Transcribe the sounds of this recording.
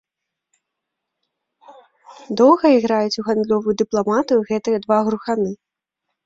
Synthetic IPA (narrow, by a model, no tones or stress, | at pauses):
d̪ɔw̪ˠɣɐiɣɾajut͡sʲuɣand̪lʲɔvujud̪ɨplˠamat̪ɨjuɣɛt̪ɨjɐd̪vaɣɾuxanɨ